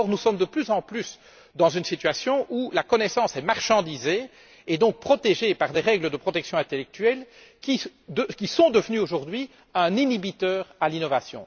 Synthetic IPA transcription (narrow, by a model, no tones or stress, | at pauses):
ɔʁnusɔmd̪əplyzɑ̃plys | d̪ɑ̃zynsit̪ɥasjɔ̃ʔulakɔnɛsɑ̃ːsɛmaʁʃɑ̃d̪ize | ed̪ɔ̃k̚pχɔt̪eʒepaʁd̪ɛʁɛɡləd̪əpχɔt̪ɛksjɔ̃ɛ̃t̪elɛk̚t̪ɥɛl | kʲid̪əkʲisɔ̃d̪əvnyoʒuʁd̪ɥi | ɛ̃ninibit̪œːʁalinɔvasjɔ̰̃